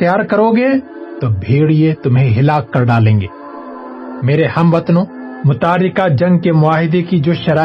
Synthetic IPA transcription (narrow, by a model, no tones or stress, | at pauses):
t̪jaːɾkɐɾoːɡe | t̪obʱeːɽiet̪ʊmɦẽɦɪlaːkːɐɾɖaːlẽːŋɡeː | meːɾehɐmʋɐt̪nõː | mʊt̪aːɾɪkad͡ʒɐ̃ŋɡkemʊaːɦɪd̪ekid͡ʒoːʃɐɾaː